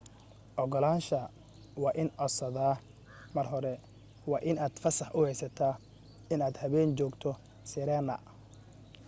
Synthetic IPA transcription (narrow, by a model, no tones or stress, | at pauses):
ʔɔɣɔlaːnʃɐ | wɑːʔɪnʔɔsɐðaː | mɐrɦɔɾɛ | wɑːʔɪnaːd̪̥fɐsɐħʔʊhɛjsɐt̪ʰaː | ɪnaːd̪hɐβɛːnt͡ʃɔːɡt̪ʰɔ | sɪɾɛːnɐ̰